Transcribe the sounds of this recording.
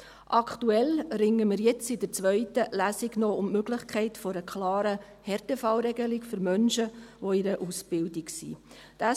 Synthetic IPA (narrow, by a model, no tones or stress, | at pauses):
ʔɑktuɛlɾɪŋːəmɪɾjɛt͡sɪdət͡sʋœʏtəlæːsiɡnɔʊmmøɡlɪχkʰɛɪtfɔɾəkʰlɑːɾə | hɛɾtəfɑlɾɛɡəlikfʏɾmœnʃəʋoɪɾəʔusb̥ɪldiksḭ | d̥a